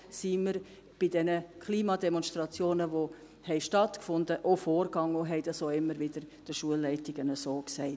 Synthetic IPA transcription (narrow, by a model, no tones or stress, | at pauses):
siːməɾ | b̥ɪdɛnəkʰliːmɑdɛmɔnʃtrɑt͡sjoːnəʋo | hɛɪʃtɑtkfʊndəʔofoːɾɡɑŋoɦɛɪdɑsoːɪmːəɾʋɪd̥əɾd̥əʃuəlːɛɪtɪɡ̥ənəsoːksɛɪt